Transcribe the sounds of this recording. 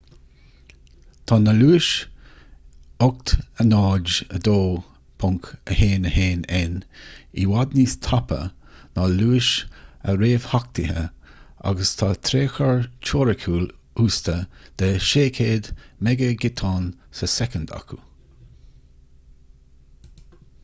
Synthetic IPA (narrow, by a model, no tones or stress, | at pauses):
t̪ʰɑːnəluːɪʃ | ɔʊk̚t̪ənɑːd͡ʒəd̪oː | pʰʊŋkəheːnəheːnɛniwad̪nist̪ʰapə̰ | naluːʃə̰ɾeːv̥hak̚t̪ɪhəʔa̰ɡəst̪ʰɑːt̪ʰɾeːxəɹt͡ʃʰoːɾəkʰuːl | uːst̪əd̪̥ɛʃeːkʰeːd̪mɛɡəɡɪt̪ʰɑːnsəsɛkənd̪a̰kʰu